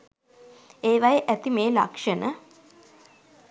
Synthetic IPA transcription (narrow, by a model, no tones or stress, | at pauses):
eːʋajeʔæt̪imeːla̰kʂənə